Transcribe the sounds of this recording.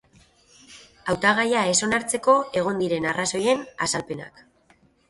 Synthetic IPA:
awt̪aɣ̞ajae̞so̞naɾt͡se̞ko̞e̞ɣ̞o̞nd̪iɾe̞naraso̞je̞na̰salpe̞na̰k

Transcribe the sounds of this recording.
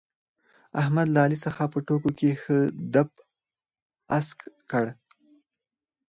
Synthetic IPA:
ahmad̪laɑlisəxapəʈokokexəd̪ap | askkəɽ

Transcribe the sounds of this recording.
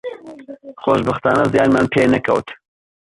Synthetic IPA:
xoːʃbɐxt̪a̰ːnɐzijaːnmaːnpʰeːnɐkʰɐ̰wt̪

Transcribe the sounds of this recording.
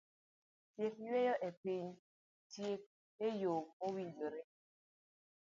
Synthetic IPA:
tjekwejɔʔepiɲ | tjek̚ | ejokowid͡ʒoɾe

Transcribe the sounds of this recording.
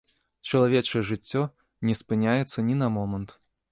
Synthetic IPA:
t͡ʂɐlˠavʲɛt͡ʂɐjɛʐɨt͡sʲːɔ | nʲɛspɨnʲajɛt̪sːɐnʲinɐmɔmɐnt̪

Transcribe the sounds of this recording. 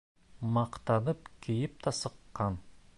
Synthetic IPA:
mɑqt̪ɑnəp̚kʲʰejɪp̚t̪ʰɑsəqːɑn

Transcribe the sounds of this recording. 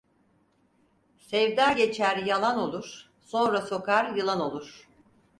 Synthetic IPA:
sɛvd̪aːɟe̞t͡ʃʰæɾjalˠano̞lˠuɾ̥ | sõ̞nɾaso̞kaɾjɯlˠano̞lˠuɾ̥

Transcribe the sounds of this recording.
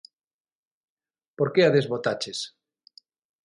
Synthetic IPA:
poɾkeaðezβot̪at͡ʃes

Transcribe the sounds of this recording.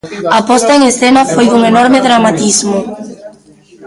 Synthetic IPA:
apɔst̪ɐeŋesθenɐfojðuŋenɔɾmeðɾamat̪izmʊ

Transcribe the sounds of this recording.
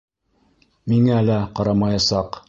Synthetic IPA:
miŋæælæqɑɾɑmɑjɑsɑq

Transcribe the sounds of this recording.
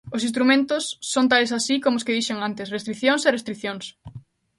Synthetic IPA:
osĩst̪ɾumẽnt̪osːont̪alesasikomoskeðiʃeŋant̪esrest̪ɾiθjõŋserest̪ɾiθjõŋs

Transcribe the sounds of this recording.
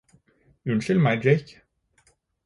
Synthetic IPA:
ʉnʃʏlmæɪd͡ʒeɪk

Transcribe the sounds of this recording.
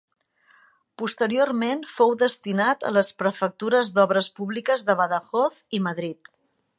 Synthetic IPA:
pust̪əɾiormenfowðəst̪inat̪ə̰ləspɾəfək̚t̪uɾəzd̪ɔβɾəspuβlikəzðəβəðəxɔθiməðɾit̪

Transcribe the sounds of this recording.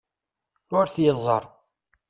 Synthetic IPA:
ʊɾθjəzˤːə̰ɾˤ

